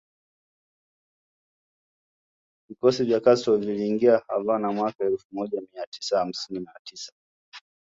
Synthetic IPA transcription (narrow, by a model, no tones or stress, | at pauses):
vikɔsivjakasɔviliːŋɡiaha̰vanamwakaɛlfumɔʄamiati̥saham̩sininatisḁ